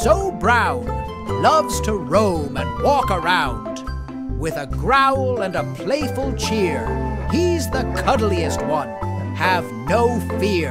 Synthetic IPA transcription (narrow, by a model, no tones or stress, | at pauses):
soʊbɹaʊ̃n | lʌvz̥tʰəɹõʊ̃mɨ̰̃nwɔkə˞ãʊ̃nd | wɪðəɡɹaʊl̩ˠə̃nəpʰl̥eɪfl̩ˠt͡ʃʰɪɹizðəkʰʌdl̩ˠiɨst̚wʌ̃n | ɨvnoʊfɪ